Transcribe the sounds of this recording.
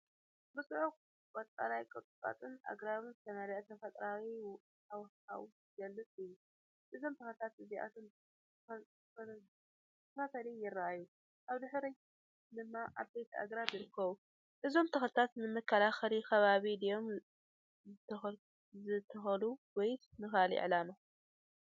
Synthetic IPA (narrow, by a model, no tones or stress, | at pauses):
bɨsʼɨʕux | wʼɐt͡sʼa̰lajkʼɨt̪ʼɨkʼa̰t̪ʼɨnʔa̰ɡɾaβɨnzɨt̪ʰɐmɐɾiʔɐt̪ʰɐfɐt̪ʼɾaɣi | aw | awu | ɡɐlːɨt͡sʼɨjːu | ʔɨzo̞mt̪ʰɐxlt̪ʰat̪ɨziʔa̰t̪ʰon | t̪ʰɐfasɐlijɪrːaajːu | ʔaβd̪ɨħɾi | d̪ɨmːaʔaβbejt̪ʰa̰ɡɾabjɪɾɨkːɐβu | ʔɨzo̞mt̪ʰɐxlt̪ʰat̪nɨmɨkʰːɐlaxɐlixɐβaβid̪ijo̞m | zɨt̪ʰ | zɨt̪ʰːɐxɐluwɔjt̪mɨxalḭʕlama